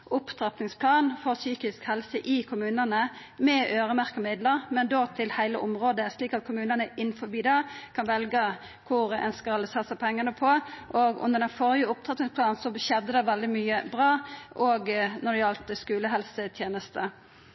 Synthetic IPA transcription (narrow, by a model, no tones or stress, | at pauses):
ʔʊpt̪ʰɾɑt̪nɪŋspʰlɑːnfɔʁsyːkɪskhɛlsəʔɪkʰʊmʉːnənə | mɛʔøːʁəmæʁkəmɪd̪ləʁmɛnd̪oːt̪ʰɪlhæɪlə̰ʔʊmʁoːd̪əsliːkɑt̪̚kʰʊmʉːnənəɪnːfɔbiːd̪ɛkʰɑnʋɛlɡə | kʰʊɾɛ̰nskɑlsɑːsæɪpʰɛŋːɑnəpʰɔʔɔɡʉ̰nːəʁɾɖ̪ɛnfoːɾɪəʊp̚t̪ʰʁɑt̪nɪŋspʰlɑːnnsɔɕɛd̪əd̪ɛʋɛld̪ɪmyːəbʁɑːʔɔɡnɔd̪ɪɑlt̪skʉːləɦɛlsət̪ʰjeːnəst̪ə